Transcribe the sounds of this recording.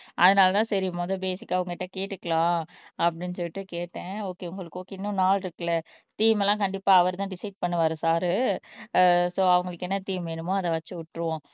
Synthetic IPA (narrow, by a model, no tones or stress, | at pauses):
ʔɐðɐnaːlɐt̪ãːsɐɾɪjɯmoːðɐbeːsɪkːaːɐʋɐŋɡɐkɪʈːɐ̃keːʈːɯkːɐɭãː | ɐpːɐɽɪnːsɔjɪʈːɯkeːʈːẽːoːkeːʊŋɡɐɭɯkːoːkeɪnːʊ̃naːlɾɯkːɐlɐ | t̪iːmɛlːãːkɐɳɖɪpːaːɐʋɐɾt̪ãːɖɪsɐɪɖ̚pɐɳːɯʋaːɾɯsaːɾɯ | soːɐʋɐŋɡɐɭɯkːɛnːɐt̪iːmʋeːnɯmõɐðɐ̃ʋɐt͡ʃːɯʊʈːɾɯʋõː